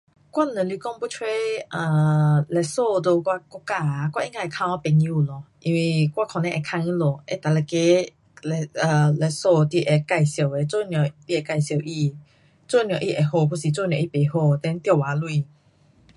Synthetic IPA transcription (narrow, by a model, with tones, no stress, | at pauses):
kwa˦˨n˨ə̃˨li˧kɔ˥˧˨ŋpu˥˦t͡ʃʰwe˦ʔə˧˩lɛ˧˩so˥˧do˧kwa˧kɔ˧˦ka˧kwa˧ʔi˦ŋa˧˨ɛ˨kʰã˧ŋwa˧˦pɛ˨ŋji˧u˧˨lɔ˨˧ʔi˧nwi˧kwa˧kʰɔ̃˨nɛ̃˧ʔɛ˨˩kʰã˧ŋĩ˧˦lo˨ʔe˦t̪a˨lɛ˧˩ke˦ | lɛ˧˨ə˨˩lɛ˧˩so˥˧t̪i˧ʔe˨ka˧jsjo˨˧˩we˨˧t͡so˥˧njɔ̃˨˩t̪i˧˨e˨ka˧˨jsjo˨˩wʔi˧ | t͡so˥˨njɔ̃˨ʔi˧ʔe˨ho˥˧˨pu˧˨si˨t͡so˥˧˨njɔ̃˨ʔi˧pe˨˦ho˥˧˨t̪ɛ˧˦n˦t̪ja˧˨wa˨˦lu˧˨